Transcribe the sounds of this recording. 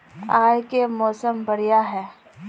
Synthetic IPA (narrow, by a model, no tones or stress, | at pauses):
aːjkemɔːsəmbɐɽijaɦɛː